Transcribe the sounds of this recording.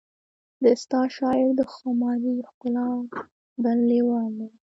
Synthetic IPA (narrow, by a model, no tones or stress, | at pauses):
d̪əst̪ɑʃɑɪɾd̪əxomɑɾixkʊlɑ | b̪allewɑnd̪e